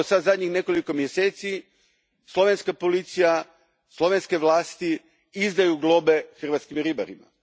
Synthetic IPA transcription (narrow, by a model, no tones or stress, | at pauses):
osad̪zad̪ɲixne̞ko̞liko̞mjeseːt̪si | slˠo̞ʋenskapo̞lit̪sija | slˠo̞ʋenske̞ʋlˠaːst̪i | izd̪ajuɡlˠo̞be̞xr̩ʋat̪skimɾibaɾḭma̰